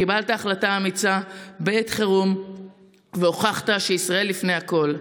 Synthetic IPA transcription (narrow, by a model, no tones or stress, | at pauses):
kibalt̪aːχlataːmit͡sabet̪χeʁum | veoχaχt̪aʃeisʁae̞lːifne̞jako̞l